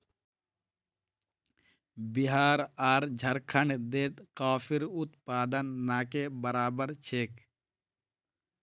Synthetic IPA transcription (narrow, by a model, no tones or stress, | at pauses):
biɦaːɾaːɾd͡ʒʱɐɾkʰəɳd̪eːt̪kaːpʰiɾʊt̪paːd̪ənːaːkebəɾaːbəɾt͡ʃʰeːk